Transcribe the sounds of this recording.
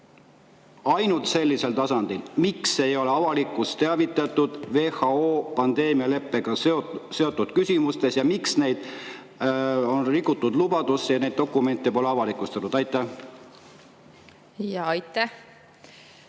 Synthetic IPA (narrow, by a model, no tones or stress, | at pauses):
ɑjnult̪se̞lʲːise̞lt̪ɑsɑnd̪̥ilmikse̞jo̞le̞ɑvɑlikːˑust̪eɑvit̪ːˑɑt̪ːˑud̪̥ve̞ːhɑoːpɑnd̪̥e̞ːmiɑle̞pˑːeɡ̥ɑse̞o̞t̪ːˑud̪̥kysʲimust̪e̞sjɑmiksne̞jd̪̥ | onrikˑːut̪ːˑud̪lubɑd̪usːejɑne̞jd̪̥̚d̪o̞kːˑume̞nt̪ːˑepo̞leɑvɑlikːˑust̪eɑt̪ud̪ɑjt̪ːˑæh | jɑɑjt̪ːæh